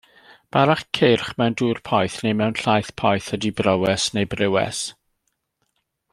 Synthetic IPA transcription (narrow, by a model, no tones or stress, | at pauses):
b̥aɾaχkʰɪrχmɛwnduːrpʰɔjθnejmɛwnɬajθpʰɔjθədibrɔwɛsnejbrɪwɛ̰s